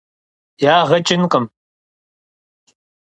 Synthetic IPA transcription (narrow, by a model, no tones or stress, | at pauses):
jaːʁɐt͡ʃʼɪnqʼɐm